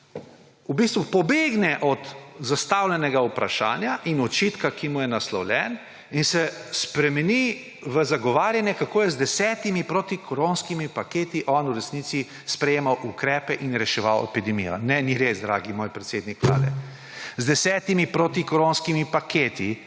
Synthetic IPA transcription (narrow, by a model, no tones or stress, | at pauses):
ubist̪ʋupɔbeːɡnɛʔɔt̪zast̪awlʲɛnɛɡaupɾa̰ʃa̰ːnjaʔinɔt͡ʃit̪kakimujɛnaslɔwlʲɛn | insɛspɾɛmɛni | ʋəzaɡɔʋaːɾjanjɛkakoːjɛzd̪ɛsɛːt̪imipɾoːt̪ikʰoɾonskimipakeːt̪iʔɔnuɾɛsniːt̪si | spɾɛjeːmawʔukɾɛːpɛʔinɾɛʃɛʋawɛ̰pid̪ɛmijɔ̰nɛniɾesd̪ɾaːɡimoːjpɾɛt̪seːd̪nikʋla̰ːd̪ɛ̰ | zd̪ɛsɛːt̪imipɾoːt̪ikoɾonskimipakʰeːt̪i